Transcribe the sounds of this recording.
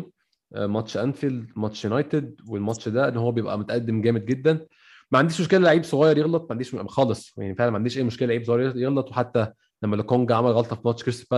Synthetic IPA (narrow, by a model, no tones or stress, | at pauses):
ʔmɑtʃʔænfilmɑʃjunɑjt̪ed̪̚welmɑt̪ʃd̪æʔenːhowːæbejebʔæ̰mot̪æʔæd̪ːemɡæːmed̪̚ɡed̪ːæn | mæʕand̪iːʃmoʃkelælːeʕiːbsˤoɣɑːjɑɾˤjeɣlɑt̪ˤmæʕnd̪iːʃxɑːlesˤjaʕnifeʕlænmæʕand̪iʃʔeːjmoʃkelæleʕiːbsoɣɑjɾjeɣlɑt̪ˤweħat̪ːæ | læmːælokoŋɡʕamælɣɑlt̪ˤɑfimɑʃkeɾse̥pæ